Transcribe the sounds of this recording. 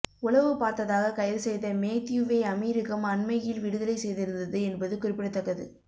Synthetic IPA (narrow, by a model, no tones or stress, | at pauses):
ʊɭɐʋɯpaːɾt̪ɐðaːɣɐkɐjɐlsɛjðɐmeːt̪juʋeːɐmiːɾɪɣɐmɐnmɐjɪlʋɪɽɯðɐlɐɪsɛjðɪɾɯnd̪ɐðɯɛnbɐðɯkʊrɪpːɪɽɐt̪ːɐkːɐðɯ̰